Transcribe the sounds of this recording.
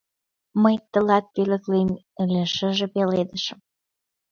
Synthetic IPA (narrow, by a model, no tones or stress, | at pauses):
məjt̪ə̆lɑt̪̚pelə̆klemelʲĕʃə̆ʒĕpeled̪əʃə̆m